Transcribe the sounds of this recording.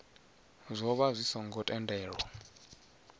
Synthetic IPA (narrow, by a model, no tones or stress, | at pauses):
zʷɔβazʷisɔŋɡɔtʼɛndʼɛːɺɔ